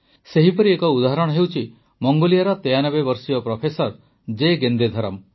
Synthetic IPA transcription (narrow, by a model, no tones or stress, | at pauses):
seɦipɔɾiekɔud̪aɦaɾɔɽ̃ɔ̃ɦewt͡ʃʰi | mɔŋɡolijaɾɔt̪ejanɔbebɔɾsijɔpɾɔpʰesɔɾ | d͡ʒeɡend̪ed̪ʱɔɾɔm